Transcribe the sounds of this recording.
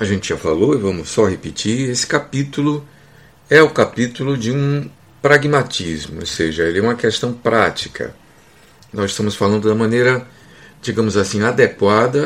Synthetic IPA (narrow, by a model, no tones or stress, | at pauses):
ɐʒẽnt͡ʃɪʒafaloivɐ̃mʊsɔhepit͡ʃiesɪ̥kapit̪ulʊ | ɛʊkapit̪ulʊd͡ʒɪũ | pɾaɡmat͡ʃizmʊo̰wsḛʒɐelɪɛũmɐkest̪ɐ̃w̃pɾat͡ʃi̥kʰɐ̰ | nɔziʃst̪ɐ̃mʊsfalɐ̃nd̪ʊd̪ɐmɐ̃nejɾɐ | d͡ʒiɡɐ̃mʊzasĩad̪ekwad̪ɐ